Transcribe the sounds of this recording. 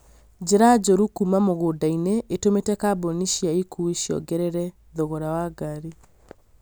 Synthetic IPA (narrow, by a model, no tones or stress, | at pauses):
d͡ʑeɾad͡ʑoɾukumamoɣoːdaineʔetometɛkaboniʃjaikueʃjɔ̰ɡɛɾɛɾɛ | ðoɣɔɾawaɡaɾi